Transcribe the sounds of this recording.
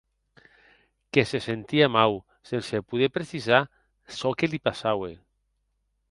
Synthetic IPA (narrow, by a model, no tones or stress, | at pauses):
kesesent̪iamaw | sensepuðepɾesiza | sɔkelipasawe